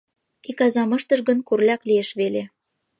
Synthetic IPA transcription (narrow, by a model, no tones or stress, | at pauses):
ikɑzɑmɤ̆ʃt̪ɤ̆ʃɣə̆nkurlʲɑklieʃβele